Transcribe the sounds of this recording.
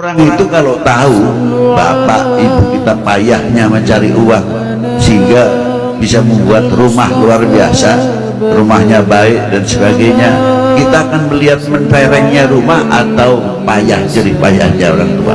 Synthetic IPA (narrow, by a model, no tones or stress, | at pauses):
oɾaŋit̪ukalot̪auba̰pa̰ʔibukit̪apajahɲaməɲt͡ʃaɾḭʔuwaŋ | səɦiŋɡa | bisaməmbuat̪rumahluarbia̰sa | rumahɲabaɪʔ̚dansəbaɡajɲakit̪aːkanməliɦat̪̚mənt̪eɾɛŋɲaɾumaha̰t̪au | pajahd͡ʒəɾipaja̰hɲao̰ɾaŋt̪ua̰